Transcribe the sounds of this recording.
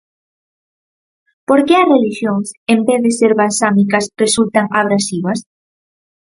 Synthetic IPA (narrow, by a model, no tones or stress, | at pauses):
poɾkeɐsreliʃjoŋsembeθðeseɾβansamikasresult̪aŋaβɾasiβas